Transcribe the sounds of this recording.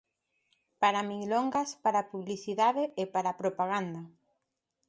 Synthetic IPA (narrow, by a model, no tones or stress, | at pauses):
paɾamiɣloŋɡaspaɾapuβliθiðaðeepaɾapɾopaɣand̪a